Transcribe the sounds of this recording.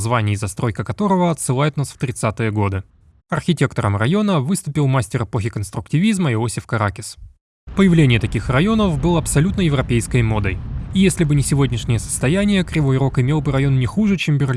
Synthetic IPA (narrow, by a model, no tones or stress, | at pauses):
zvanʲɪːzɐst̪ɾo̞jkəkɐt̪o̞ɾəvəɐt̪sɨlˠajɪt̪nasft̪ɾʲɪt̪sat̪ɨjəɡo̞d̪ɨ | ɐrxʲɪtʲe̞kt̪əɾəmrɐjo̞nəvɨst̪ʊpʲɪlˠmasʲtʲɪrɨpo̞xʲɪkənst̪ɾʊktʲɪvʲizməɪo̞sʲɪfkɐɾakʲɪs | pəjɪvlʲenʲɪjət̪ɐkʲixrɐjo̞nəfbɨlˠəɐpsɐlʲut̪nəjɪvɾɐpʲejskəjmo̞d̪əjijesʲlʲɪbɨnʲɪsʲɪvo̞dʲnʲɪʂnʲɪjəsə̥st̪ɐjænʲɪjəkɾʲɪvo̞jɾo̞kɪmʲe̞lˠbɨɾɐjo̞nːnʲɪxuʐɨt͡ɕembʲɪrlʲ